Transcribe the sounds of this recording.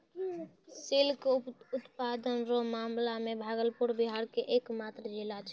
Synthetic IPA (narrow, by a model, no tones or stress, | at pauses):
silkut̪pad̪ənɾomamlamebʱaɡəlpuɾbiɦaɾkeʔekmat̪ɾəd͡ʒilat͡ʃʰ